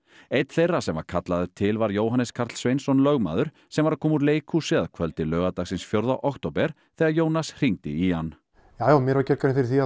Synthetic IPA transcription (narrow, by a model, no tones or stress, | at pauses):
ejt̪θejrːasɛmva̰ɾkʰat̪laðʏt̪ʰɪlvaɾjoːwɦanːɛskʰaɾt̪l̥svejnsɔnlœɣma̰ːðʏɾ̥ | sɛmvaɾakʰɔːmuɾleːjkʰusɪaðkʰvœlt̪ɪlœːɣat̪aɣsɪnsfjowɾðawʔɔkt̪owpɛɾ̥ | θɛːɣajoːwnasr̥iŋt̪ɪihanː | jaːjawmjɛɾvaɾcɛɾkaɾɪnfɪɾɪɾθia